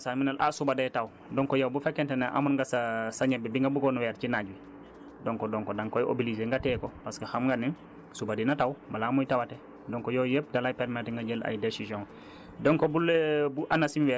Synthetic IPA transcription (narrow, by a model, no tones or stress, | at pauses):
saminalʔa̰subadajtaw | dɔŋkɔjawbufekːentenaʔa̰munŋɡasasaɲebibiŋɡabuɡonuwɛːɾ̚t͡ʃinaɟwi | doŋkodoŋkodaŋkojʔo̰bilizeŋɡatɛkopaskexamŋɡaniŋ | subadinatawbalamujtawate | doŋkojojep̚dalajpeɾmetŋɡaɟela̰jdesizjõŋ | dɔŋkobulebuʔanasinwɛ